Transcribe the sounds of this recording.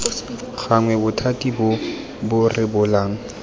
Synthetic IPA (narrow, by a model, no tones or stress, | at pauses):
ɣaŋwɛbʊtʰatʼibʊ | bʊrɪbʊlaːŋ̩